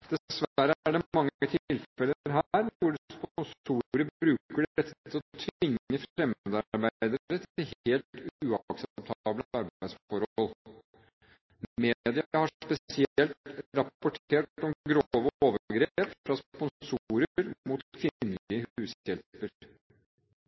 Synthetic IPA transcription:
d̪̥ɛsʋæɾəæɖɛmɑŋːət̪ʰɪɪlfɛləɾɦæɾʋʊɖspnsuːɾəɾbɾʉːkkəɖɛt̪ʰːəɔt̪ʰʋɪŋːəfɾɛmøːd̪ɑɾbæɪd̪əɾɾət̪ʰɪlheːlt̪ʉɑksɛp̚t̪ʰɑːbləɑɾbæɪd̪sfɔɾɔl | meːd̪ɪəhɑpɛsɪɛlt̪ɾɑpʊʈʰeːʈɔmɡɾoːʋəoːʋəɡɾeːpfɾɑspɔnsuːɾəɾmuːt̪kʰʋɪnːəlɪəhʉːsjɛlpəɾ

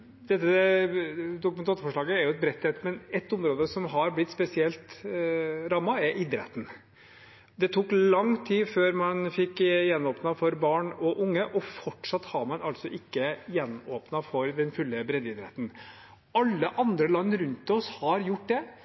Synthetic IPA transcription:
d̪̥ɛt̪ːə | d̪ʊkʉmɛnt̪ɑːt̪əfɔʂɭɑːɡəɛɾjʊɛt̪̚bɾɛt̪ʰːɛt̪ːmɛnɛt̪ːʊmɾoːd̪əsɔmɦɑɾblɪt̪spɛsɪɛlt̪ | ɾɑmːɑɛɾʔɪd̪ɾɛ̰t̪n̩ | d̪ɛt̪ʰuːklɑŋt̪ʰiːføːɾmɑnfɪkːjɛnːoːpnɑfɔɾbɑːɳɔʔʊŋːəʔɔfɔʈʂɑt̪ːhɑɾmɑnɑlt̪sɔʔɪkːəjɛnoːpnɑfɔɾd̪ɛnfʉlːəbɾɛd̪ɪd̪ɾɛ̰t̪n̩ | ɑlːəʔɑnd̪ɾəlɑnːɾʉnt̪ɔshɑɾjʊʈːd̪ɛ

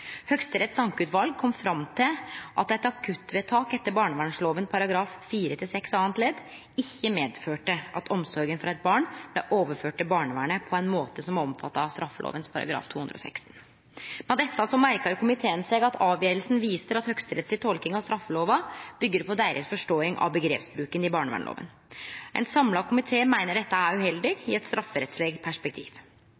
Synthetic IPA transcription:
hœɡst̪əɾɛt̪sɑŋkʉːt̪ʋɑlɡ̚kʰɔmfɾɑmt̪ʰɪlʔɑ̰t̪ɛt̪ɑkʰʉt̪ːʋeːt̪ʰɑːkɛt̪ːəɾbɑːɳəʋæːɳʂloːʋənpʰɑɾɑɡɾɑːfːiːɾət̪ʰɪlsɛksɑːənt̪leːd̪ | ɪçːəmeːd̪føːʈəʔɑt̪ʰɔmsɔɾɡənfɔɾɑɛt̪̚bɑːɳblɛ̰ʔoːʋəføːʈəbɑːɳəʋæ̰ːɳəpʰɔɛɪnmoːt̪əsɔmɔmfɑt̪ːɑɑʋst̪ɾɑfːəlo̰ːʋənspʰɑɾɑ̰ɡɾɑ̰ːft̪ʰuːhʉnd̪ɾəɔ̰sɛ̰kst̪n̩ | mɛnd̪ɛt̪ːɑsɔmæɾkɑɾkʰʊmɪt̪ʰeːənsɛɡɑt̪ʰɑːʋjeːɾəlsn̩ʋiːsəɾɑt̪hœkst̪əɾɛt̪slɪt̪ʰɔlkɪŋɑʋst̪ɾɑfːəloːʋɑb̥ʏɡːəɾpʰɔd̪æɪɾʔəsfɔʂʈoːɪŋʔɑ̰ʋbəɡɾḛːpsbɾʉːkənɪbɑːɳəʋæ̰ɳlo̰ːʋə̰n | ʔɛ̰nsɑmlɑkʰʊmɪt̪ʰeːmæɪnəɖɛt̪ːəæɾʉhɛld̪ɪɡɪɛt̪st̪ɾʔɑfːəɾɛt̪sleːɡ̚t̪̚pʰæʂpɛk̚t̪ʰḭːʋ

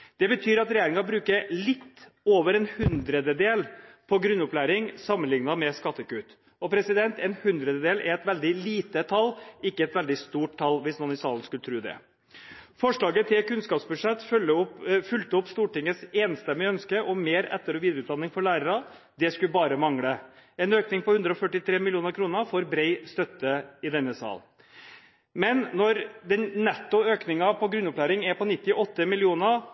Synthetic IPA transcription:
d̪̥ɛbət̪ʰyːɾɑt̪ɾɛjeːɾɪŋɑbɾʉːkəlɪt̪ː | oːʋəɾɛnhʉnd̪ɾəd̪əd̪eːlpʰɔɡɾʉnːʊplæːɾɪŋsɑmːənlɪŋnɑmɛskɑt̪ːəkʉːt̪ | ɔpʰɾɛsɪd̪ɛnt̪ɛnhʉnd̪ɾəd̪əd̪eːlʔɛ̰ɾɛt̪ʋɛld̪ɪliːt̪ət̪ʰɑlːɪkːəɛt̪ʋɛld̪ɪst̪uːʈ̚t̪ʰɑlːʋɪsnɔːnɪsɑːlən̩skʉlət̪ʰɾʉːd̪ɛ̰ | fɔʂɭɑːɡət̪ʰɪlkʉnskɑːpsbʉʂɛt̪ːfœlːəʊfʉlt̪əɔpːst̪uːʈɪŋːəseːnst̪ɛmːɪəœnskəʔɔmeːɾɛ̰t̪ːəɾɔʋiːd̪ɾəʉt̪d̪ɑnːɪŋfɔɭæːɾəɾɑ | d̪ɛskʉbɑːɾəmɑŋɽəɛnøːknɪŋpɔhʉnd̪ɾəɔfœʈɪt̪ʰɾeːmɪlɪuːnəɾkʰɾuːnəfɔɾbɾɛɪst̪œt̪ːəɪd̪ɛnːəsɑ̰ːl | mɛnnɔɾd̪ɛnnɛt̪ːʊøːknɪŋɑpʰɔɡɾʉnːʊplæːɾɪŋɛpɔnɪt̪ːɪʔɔt̪ːəmɪlɪuːnə

